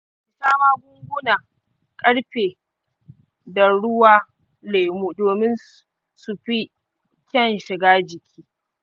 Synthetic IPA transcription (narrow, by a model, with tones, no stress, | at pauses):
ɪ˨saː˦maː˦ɡʷʊ˦ŋɡʷʊ˦na˨ | kʼɐ˦ɽɸeː˨ | da˨ɽʊ˦waː˦ | le˨muː˦˨doː˨mɪ˦n | sʊ˨ɸi˦ | kʲɛ˦˨nʃɪ˨ɡaː˦d͡ʒɪ˨kʲʰiː˦